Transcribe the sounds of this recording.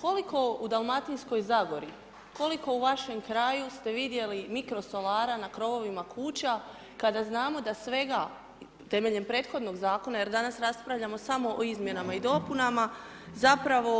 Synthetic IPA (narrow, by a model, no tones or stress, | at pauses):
ko̞liko̞ud̪alˠmat̪insko̞jzaɡo̞ɾi | ko̞liko̞uʋaʃe̞mkɾaːjust̪e̞ʋid̪je̞limikɾo̞so̞lˠaːɾanakɾo̞ʋo̞ʋimakʰuːt͡ɕa | kad̪aznaːmo̞d̪asʋe̞ɡa | t̪e̞me̞ʎe̞mpɾe̞ːd̪̥xo̞d̪no̞ɡzaːko̞naje̞ɾd̪anasɾaspɾaʋʎamo̞samo̞ʔoizmje̞namaid̪o̞punama | zapɾaʋo̞